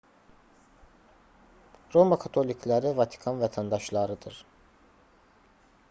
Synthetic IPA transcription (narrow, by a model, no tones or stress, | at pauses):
ɾo̞makʰɑt̪ʰo̞lʲicʰlʲæɾivɑt̪ʰi̥kʰɑnvɛt̪ʰænd̪ɑʃlˠɑɾɯd̪ɯɾ̥